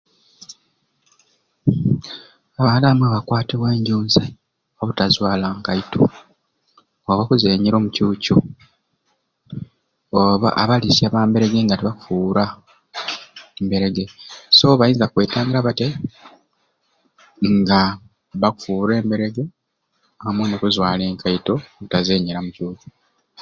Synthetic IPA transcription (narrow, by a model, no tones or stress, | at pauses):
aβaːlamweβakwaːtiβweːɲɟuːnzi | oβutazwaːlaːŋkaito | oβakuzeːɲiɾo̞ːmucuːco | oβa̰ʔa̰βalisaβaːmbe̞ɾe̞ɡe̞ŋɡatiβaku̥fuɾa | embeɾe̞ɡeso̞βajiːnzakwe̞ːtaːŋɡiɾaβate | ŋɡa | βaku̥fuːɾe̞ːmbe̞ɾe̞ɡe̞ | aamwenokuzwaːle̞ːŋkajitooβutaze̞ːɲeɾamucuːco̥